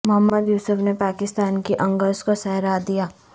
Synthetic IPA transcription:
mʊɦəmːəd̪juːsəfnepaːkɪst̪aːnkiʔɐ̃ŋɡəzkosɛɦɾad̪ijaː

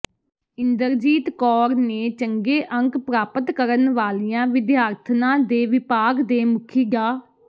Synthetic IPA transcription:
ɪnd̪əɾd͡ʒiːt̪kɔːɾneːt͡ʃəŋɡeːʔə̃ŋkpɾaːpət̪kəɾənʋaːlijãːʋɪd̪jaːɾt̪ʰnãːd̪eːʋɪpaːɡd̪eːmʊkʰiːɡaː

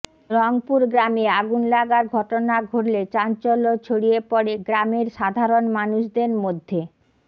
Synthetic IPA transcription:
ɾɔŋpuɾɡɾameaɡunlaɡaɾɡʱɔʈonaɡʱoɾlet͡ɕant͡ɕolot͡ɕʰoɽiepɔɽeɡɾameɾʃad̪ʱaɾonmanuʃd̪eɾmod̪ʱːe

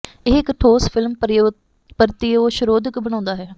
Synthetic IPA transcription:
eːɪkʈʰoːspʰɪlmp | pəɾt̪ioːʃəɾoːd̪ɪkbəɽ̃ãːnd̪aːɦɛː

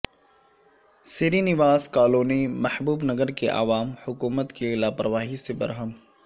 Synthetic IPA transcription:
seːɾinɪʋaːzkaːloːnemɐhbuːbnɐɡəɾkeʔa̰ʋaːmhʊkuːmət̪kelaːpɾəʋaːɦisebɐ̰ɾɦəm

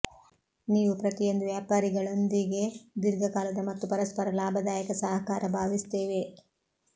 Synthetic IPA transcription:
niːʋupɾɐt̪ijo̞nd̪uʋjaːpaːɾiɡɐɭond̪iɡe̞d̪iɾɡɐkaːlɐd̪ɐmɐt̪ːupɐɾɐspɐɾɐlaːbʱɐd̪aːjɐkɐsɐɦɐkaːɾɐbʱaːʋist̪eːʋe̞

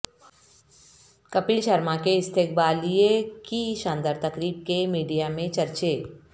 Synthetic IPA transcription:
kɐpiʃɐɾmakeɪst̪ʰek̚baːliekiʃãːnd̪əɾt̪ɐkɾiːb̚kemiːɖijamẽt͡ʃɐɾt͡ʃeː

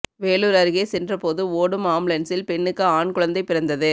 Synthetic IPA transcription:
ʋeːluːɾɐɾɯɣeːsɛndrɐpoːðɯoːɽɯmaːmɭɐnsɪlpɛɳːɯkːɯaːɳkʊɻɐnd̪ɐɪpːɪɾɐnd̪ɐðɯ

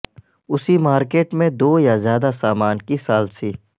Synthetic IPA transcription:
ʊsimaːɾkeːʈmẽd̪oːjazjaːd̪asaːmaːnkisaːlsiː

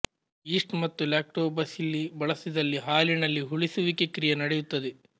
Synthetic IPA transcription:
iːʂʈmɐt̪ːulaːk̚ʈoːbɐsilːibɐɭɐsid̪ɐlːiɦaːlinɐlːiɦuɭisuʋikekɾijɐnɐɽejut̪ːɐd̪e

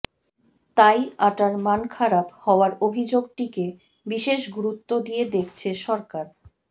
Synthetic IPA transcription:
t̪ajaʈaɾmankʰaɾabhɔoaɾobʱid͡ʑoɡ̚ʈike | biʃeʃɡuɾut̪ːod̪ijed̪ekʰt͡ɕʰeʃɔɾkaɾ

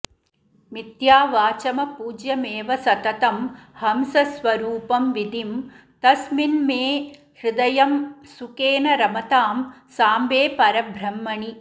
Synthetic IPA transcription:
mit̪jaːʋaːt͡ʃɐmɐpuːd͡ʒjɐmeːʋɐsɐt̪ɐt̪ɐmhɐmsɐsʋɐɾuːpɐmʋid̪im | t̪ɐsminmeː | hɾɪd̪ɐjɐmsukeːnɐɾɐmɐt̪aːmsaːmbeːpɐɾɐbʱɾɐmːɐɳi

